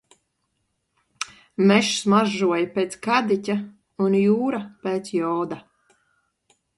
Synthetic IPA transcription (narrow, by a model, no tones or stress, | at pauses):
mɛʃsmaʒuɔjpʲɛːt̪skad̪itʲa | unjuːɾapɛːt̪sjɔːd̪a